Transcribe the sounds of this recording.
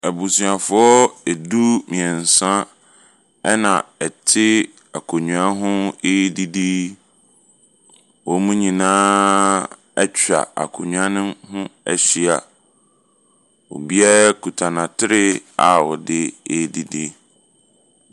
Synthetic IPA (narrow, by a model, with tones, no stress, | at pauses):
ɛ˨bu˨sɥa˨fʊ˦ɔ˦ɛ˨du˦mĩ˨ɛ˨n̩˨sã˦ | ɛ˦nã˨ɛ˨tʰɪ˦ | a˨kʰo˨ɲũ˨a˦ɦʊ̃˦e˦di˦di˦ | wɔ˨˦mũ˦ɲĩ˨nãː˦ | ɛ˦t͡ɕᶣa̰˨a̰˨kʰo˨ɲũ˦a˦nɪ̃˦hʊ̃˦ɛ̰˦ɕi˦a˨ | wɔ̰˨bi˦a˦kʰu˨tʰã˨nã˨tʰɪ˦ɾɪ˦a̰˦˨wɔ˨dɪ˦eː˦di˦di˦